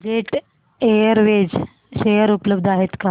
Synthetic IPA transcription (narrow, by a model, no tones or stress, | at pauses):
d͡ʑeʈ | ejəɾʋed͡ʑ | ʃejəɾupləbd̪ʱaɦet̪ka